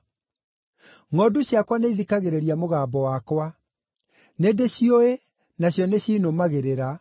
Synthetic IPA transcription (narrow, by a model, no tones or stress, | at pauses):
ŋɔːduɕjakwaneiðikaɣeɾeɾiamoɣaːbɔwakwa | neːndeɕioe | naɕjɔneɕinomaɣeɾeɾa